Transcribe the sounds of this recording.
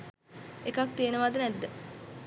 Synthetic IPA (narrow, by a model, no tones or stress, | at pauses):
ekɐk̚t̪eːneʋaːd̪ɐnɛd̪ːe